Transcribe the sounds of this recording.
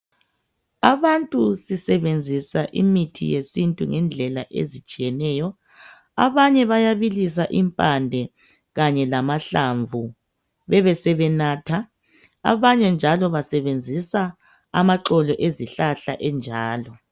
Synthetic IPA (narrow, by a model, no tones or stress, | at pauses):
aβantʼusisɛβend͡zʱisaʔḭmitʰḭjesintʼuŋɛnd͡ɮʱɛlaʔḛzit͡ʃʼijɛnɛːjɔ | a̰βaɲɛβajaβilis̬aʔimpʼandʱɛ | ɣaɲɛlamaɬaɱvu | βɛβɛsɛβɛnaːtʰa | a̰βaɲɛnd͡ʒʱalɔβasɛβend͡zʱisa | amaǁɔlɔʔeziɬaɬa̰ʔɛnd͡ʒʱaːlɔ